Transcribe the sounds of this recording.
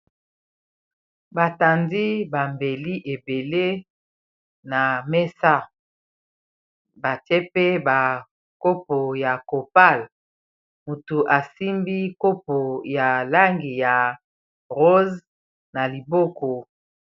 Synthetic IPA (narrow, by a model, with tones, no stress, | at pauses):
ba˨ta˨ndi˦ba˨mbe˨li˦ʔe˨be˨le˦ | na˨mɛ˦sa˦ | ba˨te˦pe˦ba˨ | ko˦po˨ja˨ko˨pa˦˨l | mu˨tu˨ʔa˨si˦mbi˦ko˦po˨ja˨la˦ŋɡi˨ja˨ | ʁo˦z | na˨li˨bɔ˦kɔ˨